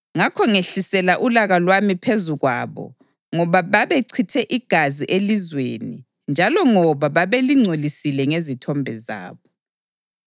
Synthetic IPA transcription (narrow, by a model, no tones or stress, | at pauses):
ŋakʰɔŋeɬisɛlaʔulaɣalwamipʰezuɣwa̰βɔ̰ | ŋɔβaβaβeǀʰitʰɛʔiɡ̥ʱaziʔelizwḛnḭ | nd͡ʒʱalɔŋɔβaβaβeliŋ͡ǀʱolisilɛŋezitʰɔmbʱɛza̰ːβɔ